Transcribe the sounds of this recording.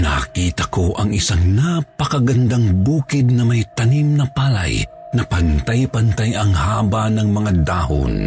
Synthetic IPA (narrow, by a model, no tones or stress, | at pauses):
nakiːt̪ɐkoʔɐŋɪsaŋnapɐkɐɡɐnd̪aŋbuːkɪd̪̚nɐmajt̪ɐnimnɐpaːla̰j | nɐpɐnt̪ajpɐnt̪ajɐŋhaːbanɐŋmɐŋad̪aːho̰n